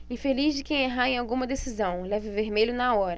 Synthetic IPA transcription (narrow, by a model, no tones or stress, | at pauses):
ɪfelizd͡ʒɪkẽj̃eɦaẽj̃awɡũmɐd̪esizɐ̃w̃lɛvɪveɾmeʎʊnaɔɾɐ